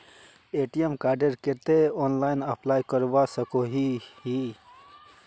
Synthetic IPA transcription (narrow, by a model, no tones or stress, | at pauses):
eːʈiemkaːɾɖəɾkeɾt̪eɔːnlaːɪnəplaːjkəɾʋasəkoɦihi